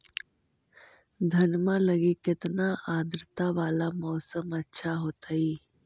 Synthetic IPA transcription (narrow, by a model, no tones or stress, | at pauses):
d̪ʱɐnmãlɐɡikɪt̪naʔaːd̪ɾɪt̪aʋaːlamɔːsəmɐtːʃʰaɦoːt̪aiː